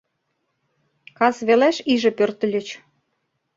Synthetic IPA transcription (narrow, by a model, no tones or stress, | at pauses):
kɑsβelæʃiʒĕpørt̪ə̆lʲə̆t͡ɕ